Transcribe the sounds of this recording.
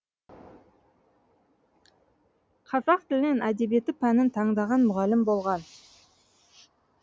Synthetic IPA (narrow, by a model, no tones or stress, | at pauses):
qʰɑzɑq̚t̪ʰɪlne̞næd̪e̞bie̞t̪ɪpʰænɪnt̪ʰɑɴd̪ɑʁɑnmʊʁɑlːɪmbo̞lˠʁɑn